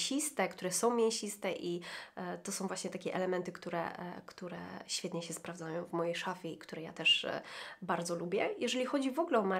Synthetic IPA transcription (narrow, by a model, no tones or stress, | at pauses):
ɕist̪ɛkt̪uɾɛsɔ̃w̃mʲjẽɕist̪ɛʔit̪ɔsɔ̃w̃vwaɕɲɛt̪akʲɛʔɛlɛmɛnt̪ɘkt̪uɾɛ̰kt̪uɾɛ̰ɕfʲjɛt̪ɲɛɕɛspɾavd̪zajɔ̃w̃vmɔjejʂafʲɛikt̪uɾɛja̰t̪ɛʂ | baɾd̪zɔlubʲjɛjɛʐɛlʲixɔd͡ʑivɔɡlɛɔma